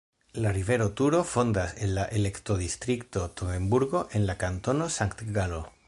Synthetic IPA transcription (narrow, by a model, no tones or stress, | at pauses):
lariβeɾot̪uɾo̞fond̪asenlaʔelekt̪oðist̪ɾikt̪ot̪oembuɾɣo̞ʔenlakant̪o̞nosaŋkt̪ɡalo